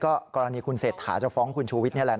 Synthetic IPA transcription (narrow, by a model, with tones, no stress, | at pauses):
kɔː˥˩kɔː˧ɾa˧niː˧kʰu˧nseː˨˩t̪̚ʰːaː˩˦t͡ɕa˨˩fɔː˦˥ŋkʰu˧nt͡ɕʰuː˧wi˦˥t̪n˥ɐ˨lɛ˨˩